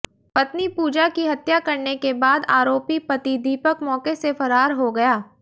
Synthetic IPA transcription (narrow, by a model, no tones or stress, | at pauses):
pɐt̪nipuːd͡ʒakiɦɐt̪jakɐɾnekebaːd̪aːɾoːpipɐt̪id̪iːpəkmɔːkesefɐɾaːɾɦoɡɐjaː